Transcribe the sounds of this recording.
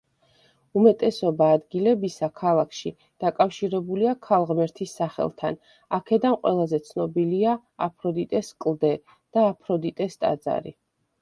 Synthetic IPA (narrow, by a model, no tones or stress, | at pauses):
umɛt̪ʼɛsɔbaːd̪ɡilɛbisakʰalˠakʰʃi | d̪̥akʼafʃiɾɛbuliakʰalˠʁmɛɾt̪ʰisːaχɛ̰lˠt̪ʰan | akʰɛd̪anqʼwɛ̰lˠazɛt̪sʰnɔbilia | apʰɾɔd̪it̪ʼɛskʼlˠd̪ɛ | d̪̥aːpʰɾɔd̪it̪ʼɛst̪ʼa̰d̪za̰ɾḭ